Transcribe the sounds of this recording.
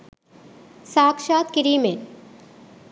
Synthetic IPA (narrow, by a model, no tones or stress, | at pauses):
saːkʃaːt̪kiɾiːmen